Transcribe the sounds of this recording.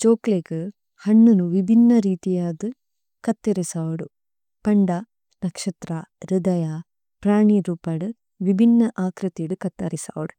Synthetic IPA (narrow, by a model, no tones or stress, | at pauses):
t͡ʃoːklekɨ | hɐɳːunuʋibʱinːɐɾiːt̪ijaːd̪ɨ | kɐt̪ːɐɾisaːʋɐɽu | pɐɳɖɐ | nɐkʂɐt̪ɾaɾud̪ɐja | pɾaːɳiɾuːpaːɽu | ʋibʱinːɐʔaːkɾɐt̪iɽukɐt̪ːɐ̰ɾisa̰ːʋɐɽu